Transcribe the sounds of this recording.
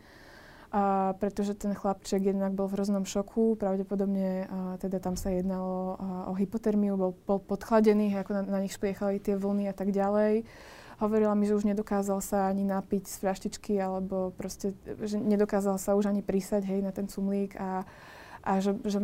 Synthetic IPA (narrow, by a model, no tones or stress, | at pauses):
pɾɛt̪ɔʒɛt̪ɛnxlapt͡ʃɛɡjɛd̪naɡ̚bɔlvɦɾɔznɔmʃɔkʰupɾaʊɟɛpɔd̪ɔbɲɛt̪ɛd̪at̪amsajɛd̪nalɔɔ̰ɦipɔt̪ɛɾmiubɔlbɔlpɔt̪xlaɟɛniːɦɛjakɔnaɲixʃplɪɛxalit̪ɪɛʋl̩ˠniat̪aɡɟalɛj | ɦɔʋɔɾilamiʒɛuʒɲɛd̪ɔkaːzalsaaɲinapicsfʎaʃcit͡ʃkialɛbɔpɾɔscɛʒɛɲɛd̪ɔkaːzalsauʒaɲipɾisaɟɦɛjnat̪ɛnt͡sumliːka | ʔaʒɛʒɛ